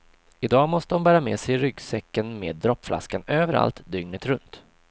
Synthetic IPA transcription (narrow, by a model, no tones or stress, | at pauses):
ɪd̪ɑːmɔst̪ədɔnmbæːɾameːsɛjɾʏɡsɛkːənmḛːd̪ːɾɔpːflʔa̰skanøːvəɾa̰lt̪d̪ʏŋnət̪ɾɵnt̪